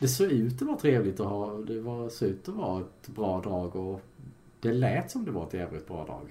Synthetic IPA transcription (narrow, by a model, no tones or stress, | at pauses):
d̪ɛsoːɡʉ̟ːt̪d̪ɛvɑt̪ʰɾeːvlɪt̪ɔɦɑːd̪ɛvɑɾsoːʉ̟ːt̪ɔvɑ̰ːɛt̪bɾɑːd̪ɑːɡɔ | d̪̥ɛlɛːt̪sɔmd̪ɛva̰ɾɛt̪jæːvlɪ̰t̪bɾɑ̰ːd̪ɑ̰ːɡ̥